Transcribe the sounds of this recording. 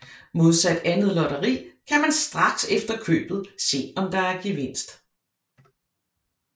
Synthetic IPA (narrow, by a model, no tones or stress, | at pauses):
mo̝ð̞ˠsæd̥ænð̞̩ˠlɒɾɐʁḭːkʰæmænsd̥ʁɑ̈ɡ̥sefd̥ɐkʰø̰ːb̥ð̩ˠse̝̰ːɒ̽md̥ɑ̈æɐɡ̥iʋe̝n̰sd̥